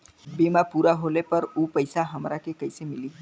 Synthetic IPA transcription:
bemapuɾaɦolepəɾupəjsaɦəmɾakekəjsemɪli

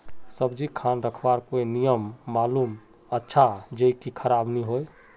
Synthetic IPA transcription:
səbd͡ʒikʰanɾəkʰbaɾkoinijəmːalum | ətːʃʰad͡ʒəkikʰəɾabniɦoj

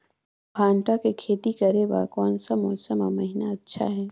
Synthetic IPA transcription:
bʱãːɳʈakekʰeːt̪ikɐɾeba̰ːkɔːnsəmɔːsəma̰mɐɦɪnaɐtːʃʰa̰ɦɛː

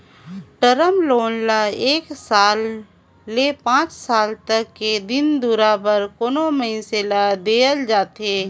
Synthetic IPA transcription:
ʈəɾəmloːnlaeːksaːlː | epãːt͡ʃsaːlt̪əkːed̪ɪnd̪uːɾabəɾkoːnoməɪ̃selad̪eːəld͡ʒaːt̪eː

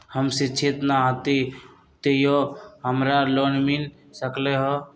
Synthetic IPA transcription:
həmsit͡ʃʰet̪naɦət̪i | t̪ejoɦəmɾalonmil | səkleɦɔ

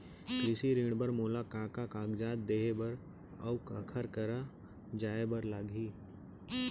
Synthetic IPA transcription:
kɾɪsiɾĩːɽbəɾmoːlakãːkakãːɡd͡ʒaːd̪̚d̪eːebɐɾ | ɐkəkʰəɾkəɾa | d͡ʒaːebəɾlaːɡʱiː

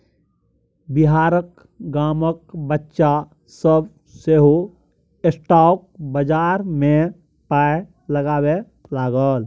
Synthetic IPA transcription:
bɪɦaːɾək | ɡaːməkbətːʃa | səb̚ | seːɦo | ɪsʈaːk̚bəd͡ʒaːɾmẽ | paːe | ləɡaːwe | laːɡəl

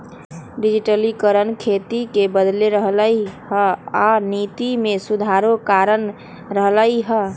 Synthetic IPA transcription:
ɖid͡ʒiʈəlikəɾənkʰet̪ikebəd̪leɾəɦləjhəanit̪imesud̪ʱaɾokaɾən | ɾəɦləiɦə

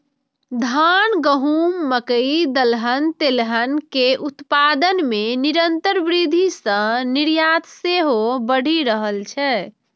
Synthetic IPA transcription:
d̪ʱanɡəɦumːəkəid̪əlɦənt̪elɦənkeʔut̪pad̪ənmeniɾənt̪əɾbɾid̪ʱisə̃niɾjat̪seɦobəɽ̤iɾəɦəlt͡ʃʰɛ

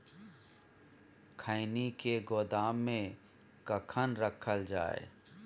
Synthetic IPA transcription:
kʰaːɪnikeɡoːd̪aːmːẽ | kəkʰənɾəkʰəld͡ʒa̰ːḛ

